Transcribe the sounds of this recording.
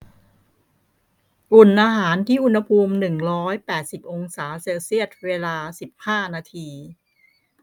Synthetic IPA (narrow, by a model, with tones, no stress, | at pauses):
ʔu˨˩nʔaː˧ɦaː˩˦nt̪ʰiː˥˩ʔu˧nha˧pʰuː˧mnɯ˨˩ŋɾɔː˦˥jpɛː˨˩t̪̚si˨˩p̚ʔo˧ŋsaː˩˦seː˧wsi˥˩ət̪̚weː˧laː˧si˨˩p̚haː˥˩naː˧t̪ʰiː˧